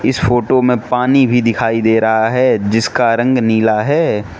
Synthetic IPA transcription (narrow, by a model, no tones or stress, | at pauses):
ɪsfoːʈomẽpaːnibʱid̪ɪkʰaːid̪eːɾɐɦaɦɛːd͡ʒɪskaɾə̃ŋɡniːlaɦɛː